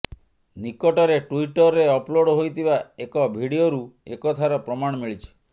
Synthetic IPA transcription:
nikɔʈɔɾeʈuiʈɔɾːeɔploɽɔɦojt̪ʰibaekɔbʱiɽioɾuḛkɔt̪ʰaɾɔpɾɔmaɽ̃ɔmiɭit͡ʃʰɔ̥

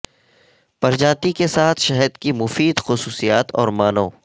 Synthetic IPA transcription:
pɐɾd͡ʒaːt̪ikesaːt̪ʰʃɛɦɛd̪kimʊfiːd̪xʊsuːsijaːt̪ɔ̰ːɾmaːnõː

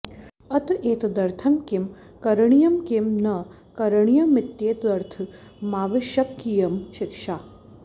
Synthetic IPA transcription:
ɐt̪ʔeːt̪d̪ɐɾt̪ʰɐmkim | kɐɾɐɳijɐmkemnɐ | kɐɾɐɳijɐmɪt̪ːjeːt̪d̪ɐɾt̪ʰɨ | maːʋɐʃjɐkːijɐmʃɪkʂaː

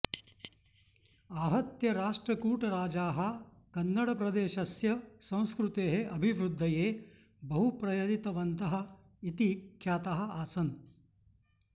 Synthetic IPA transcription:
aːɦɐt̪jɐɾaːʂʈɾɐkuːʈɐɾaːd͡ʒaːɦɐ̆ | kɐnːɐɽɐpɾɐd̪eːʃɐsjɐsɐ̃w̃skɾut̪eːɦeʔɐbʱiʋɾud̪ʱːɐjeː | bɐɦupɾɐjɐd̪it̪ɐʋɐnt̪ɐɦɐ̆ | it̪ikʰjaːt̪ɐɦɐ̆aːsɐn

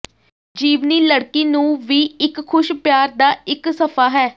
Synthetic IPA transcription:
d͡ʒiːʋniːləɽkiːnũːʋiːɪkkʰːʊʃpjaːɾd̪aːɪksəpʰaːɦɛː

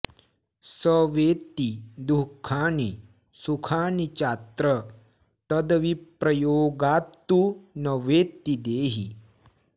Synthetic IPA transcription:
səʋeːt̪ːid̪ukʰaːni | sukʰaːnit͡ʃat̪ɾə | t̪ɐd̪ʋipɾɐjoːɡaːt̪ːunɐʋeːt̪ːid̪eːɦḭ

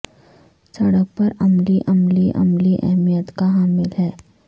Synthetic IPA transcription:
sɐɽək̚pɐɾɐmliʔɐmliʔɐ̰mliʔɛ̰ɦmijət̪kaɦaːmɪlɦɛː

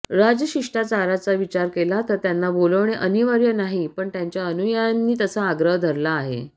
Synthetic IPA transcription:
ɾad͡zəɕiʂʈʰat͡saɾat͡saʋit͡ɕaɾkelat̪əɾt̪janːaboləʋɳ̃eʔəniʋaɾjənaɦipəɳt̪jaɲt͡ɕjaənujanːiːt̪əsaːɡɾəɦd̪ʱəɾlaːɦḛ

